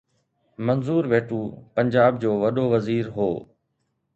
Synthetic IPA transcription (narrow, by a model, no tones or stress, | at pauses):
mɐnzuːɾʋeːʈuːpɐɲd͡ʑaːb̚d͡ʑoːʋɐɗoːʋɐziːɾɦoː